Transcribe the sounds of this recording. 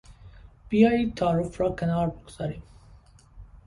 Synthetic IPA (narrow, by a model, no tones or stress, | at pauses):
b̥ijɑːjiːd̪̚t̪ʰɒːɾufɾɒːkʰænɑːɾboɡoz̥ɑːɾiːm